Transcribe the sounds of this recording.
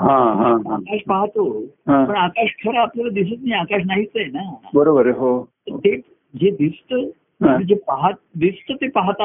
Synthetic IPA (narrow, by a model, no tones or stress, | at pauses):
ɦãɦãakaʂpaɦt̪oɦãpəɳakaʂkʰəɾaːpljalad̪is̬ət̪niakaʂ̬naɦit͡səjenabəɾobəɾeɦot̪əɾt̪e | d͡ʑed̪ist̪ə | nĩd͡ʑepaɦat̪̚d̪ist̪ət̪epaɦt̪a